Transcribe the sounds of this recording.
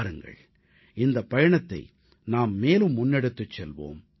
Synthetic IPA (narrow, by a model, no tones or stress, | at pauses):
ɾɯŋɡɐ̰ɭ | ɪnd̪ɐpːɐjɐɳɐt̪ːɐ̰ɪ | naːmːeːlɯmːʊnːɛɽɯt̪ːɯt͡ʃːɛlʋo̰ːm